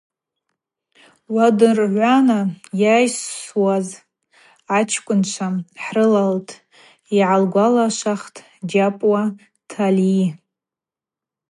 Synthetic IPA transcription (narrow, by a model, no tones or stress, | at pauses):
wadɨrʕʷanajajsːwaz | at͡ʃʰkʷʼʊnt͡ʃʷʰaħrɨlaltʼ | iʕalɡʷalaʃʷaχtʰʼ | d͡ʒapʼwa | tʰali